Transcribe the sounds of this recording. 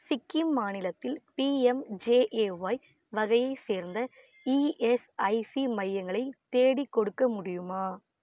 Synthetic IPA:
sɪkːimːaːnɪlɐt̪ːɪlpiːɛmd͡ʒeːʔeʋɐj | ʋɐɣɐjɐɪseːɾnd̪ɐ | iːesɐɪsimɐjːɐŋɡɐɭɐɪt̪ːeːɽikːɔɽɯkːɐmʊɽɪjɯmaː

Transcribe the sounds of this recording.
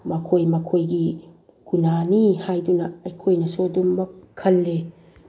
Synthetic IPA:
makʰojmakʰojɡi | kunanihajdunɐɐjkʰojnɐsodumːɐkʰːɐlːe

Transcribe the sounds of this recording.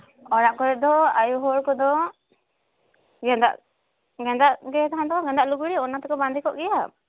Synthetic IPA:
ɔɾaʔkɔɾɛd̪ɔajuɦɔɾkɔd̪ɔ | ɡɛnd̪a̰ʔ | ɡɛnd̪aʔɡɛt̪ɦant̪ɔkɔɡɛnd̪aʔluɡuɽiɔnat̪ɛkɔband̪ʱikɔʔɡɛja

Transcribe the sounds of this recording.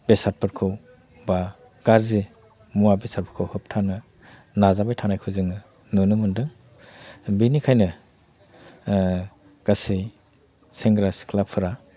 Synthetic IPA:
besaɾpʰɯɾkʰɯw | ba | ɡ̥aɾze | muabesaɾpʰɯkʰɯwhɯp̚tʰanɯ | nazabajtʰanajkʰɯzɯŋɯ | nunɯmɯndɯŋ | binikʰajnɯ | ɡ̥asɯj | seŋɡɾasi̥kʰlapʰɯɾa

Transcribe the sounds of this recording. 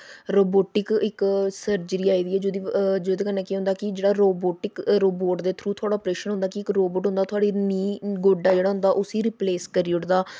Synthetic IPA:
ɾoːboːʈɪkɪksəɾd͡ʒɾiːaːiːd̪iːɛːd͡ʒoːd̪iːd͡ʒoːd̪eːkənːẽːkiɦõnd̪aːkɪd͡ʒeːɽaːɾoːboːʈɪkɾoːboːʈd̪eːt̪ʰɾuːt̪ʰʊaːɽaːɔpɾeːʃənɦʊ̃nd̪aːkɪɪkɾoːboːʈɦʊ̃nd̪aːt̪ʰʊaːɽiːniːɡoːɖaːd͡ʒeːɽaːɦʊ̃nd̪aːʔʊsiːɾɪːpleːskəɾiʊʈd̪aː

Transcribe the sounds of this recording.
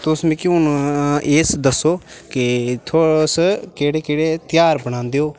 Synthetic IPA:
t̪ʊsmẽːkjũneːsd̪əsːoːkɪt̪ʰoːskeːɽeːkeːɽeːt̪ɪjaːɾbəɽ̃ãːnd̪eːoː

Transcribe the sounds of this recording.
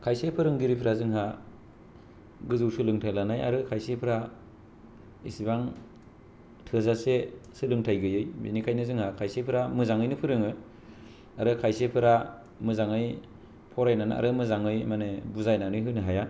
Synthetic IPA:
kʰajsepʰɯɾɯŋɡiɾipʰɾazɯŋɦa | ɡɯzɯwsɯlɯŋtʰajlanaja̰ɾɯkʰajsepʰɯɾa | isibaŋ | tʰɯzasesɯlɯŋtʰajɡɯjɯjbḭnikʰajnɯzɯŋhakʰajsepʰɯɾamɯzaŋɯjnɯpʰɯɾɯŋɯ | aɾɯkʰajsepʰɯɾa | mɯzaŋɯj | pʰɔɾajnana̰ɾɯmɯzaŋɯjmanebuzajnanɯjɦɯjnɯɦaja

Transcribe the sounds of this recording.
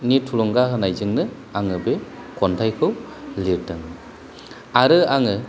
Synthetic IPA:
nitʰulɔŋɡahɯnajzɯŋnɯ | aŋɯbe | kʰɔntʰajkʰɯw | liɾdɯŋ | aɾɯaŋɯ

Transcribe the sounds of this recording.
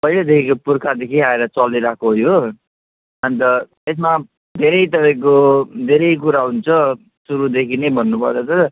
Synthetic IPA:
pʌɦiled̪ekʰikopurkʰad̪ekʰiaeɾʌt͡sʌlːiɾakoɦojo | ʌnt̪ʌ | es̬ma | d̪ʱeɾʌjt̪ʌpaĩk̬od̪ʱeɾʌjk̬uɾaɦunt͡sʰʌ | suɾud̪ekʰinejbʱʌnːupʌrt͡sʰʌt̪ʌ

